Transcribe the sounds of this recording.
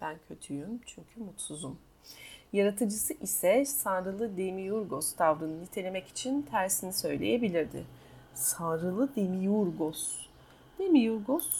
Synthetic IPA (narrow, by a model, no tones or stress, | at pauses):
b̥æncʰø̞t̪ʰyjymt͡ʃʰyɲcʰymut̪suzum | jaɾat̪ʰɯd͡ʒɯsɯʔisɛsanɾɯlˠɯd̪emijuɾɡo̞st̪ʰavɾɯnɯnit̪ʰe̞lʲe̞mɛci̥t͡ʃʰint̪ʰæɾsinisø̞jlʲe̞̰jebilʲiɾd̪ɪ̰ | sanɾɯlˠɯd̪emijuɾɡos | d̪̥emijuɾɡos